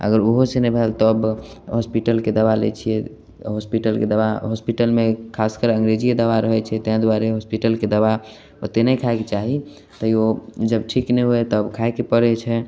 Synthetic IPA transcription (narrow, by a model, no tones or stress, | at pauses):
ə̰ɡəɾoɦosenɛbʱɛlt̪ɔːb | ɦɔspiʈəlked̪əʋalḛt͡ʃʰiɛ | ɦospiʈəlked̪əbaɦɔspiʈəlmekʰaskəɾə̃ŋɡɾed͡ʒied̪əʋaɾəɦɛt͡ʃʰɛt̪əɦãd̪waɾeɦospiʈəlked̪əba | ot̪enəkʰaeket͡ʃaɦi | t̪əiod͡ʒəbʈʰiknɛɦoet̪ɔəbkʰaekepəɾɛt͡ʃʰɛ